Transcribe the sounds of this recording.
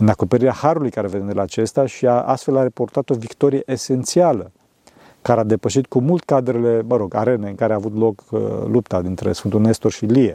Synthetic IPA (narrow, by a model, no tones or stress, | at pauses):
ɨnako̞peɾiɾeahaɾulujkaɾeveend̪elaːt͡ʃe̞st̪aʃiaʔa̰st̪fe̞laɾepo̞rt̪at̪o̞vikt̪o̞ɾijeʔese̞nt̪sialə | kaɾead̪e̞pəʃ̬it̪̚kumult̪e̥kad̪ɾele̞məɾo̞ɡa̰ɾe̞neɨŋkaɾeaːvut̪lo̞kə̰lupt̪ad̪int̪ɾe̞̰sfɨnt̪unest̪orʃilie